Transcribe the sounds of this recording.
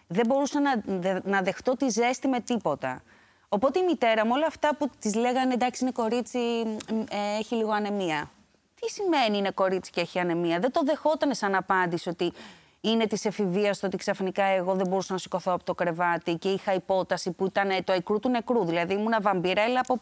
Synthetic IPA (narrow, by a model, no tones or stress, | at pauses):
ðe̞bo̞ɾusɐnɐnɐðe̞xt̪o̞t̪ize̞st̪ime̞t̪ipo̞t̪ɐ̰ | o̞po̞t̪e̞imit̪e̞ɾɐmuo̞lɐːft̪ɐput̪izle̞ɣɐnend̪ɐksiine̞ko̞ɾit͡si | eeçiliɣo̞ɐne̞miɐ | t̪isime̞niine̞ko̞ɾit͡si̥ceeçiɐne̞miɐðed̪o̞ðe̞xo̞t̪ɐnesɐnɐpɐnd̪isio̞t̪i | ine̞t̪isefiviɐst̪oo̞t̪iksɐfnikɐeɣo̞ðebo̞ɾusɐnɐsi̥ko̞θo̞ɐpot̪o̞kɾe̞vɐt̪iceixɐipo̞t̪ɐsipuit̪ɐnt̪oikɾut̪une̞kɾuðilɐðiimunɐvɐmbiɾɐelɐpop